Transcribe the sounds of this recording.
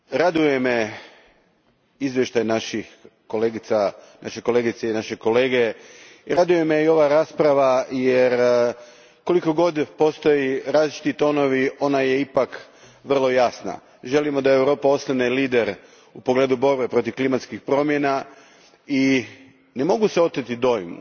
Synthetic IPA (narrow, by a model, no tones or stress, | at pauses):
ɾad̪uje̞me | izʋjeʃt̪ajnaʃix | koleːɡit̪sa | nʔaʃeko̞leɡit̪seinaʃe̞ko̞le̞ːɡe̞ | iɾad̪uje̞meio̞ʋaɾaspɾaʋajeɾ | ko̞liko̞ɡo̞d̪po̞st̪o̞jiɾaːzlit͡ʃi̥t̪it̪o̞no̞ʋio̞naje̞ipak | ʋr̩lˠo̞jasna̰ | ʒe̞limo̞d̪aeewɾo̞ːpao̞slaneliːd̪e̞ɾ | upo̞ɡle̞ːd̪ubo̞ɾbe̞pɾo̞t̪iʋklimat̪skixpɾo̞mje̞na | i | ne̞mo̞ɡuseo̞t̪ɾet̪id̪o̞jmṵ